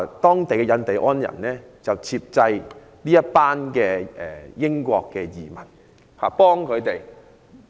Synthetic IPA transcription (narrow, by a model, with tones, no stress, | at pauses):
t̪ɔː˥ŋt̪e˨jkɛ˧jɐ˨˧nt̪e˨jʔɔː˥njɐ̰˨˩nnɛː˥ | t͡sɐ˨wt͡sʰiː˧p̚t͡sɐ˧j | liː˥jɐ˥t̚paː˥nkɛː˧ɛ˨jɪ˥ŋkʷɔː˧kːɛ˧jiː˨mɐ˨˩n | ha̰ː˨˩pɔː˥ŋkʰɵ˨˧ɥt̪e˨j